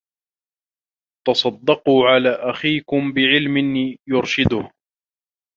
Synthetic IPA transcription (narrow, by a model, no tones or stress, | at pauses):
t̪ɑsˤɑd̪ːɑquːʕalaːʔaxiːkʊmbɪʕɪlmɪnjʊɾʃɪd̪ʊh